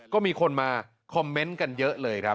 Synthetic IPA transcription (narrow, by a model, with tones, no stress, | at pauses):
kɔː˥˩miː˧kʰo˧nmaː˧ | kʰɔ˧mːe˦˥nka˧njɤ˦˥ʔlɤː˧jkʰɾa˦˥p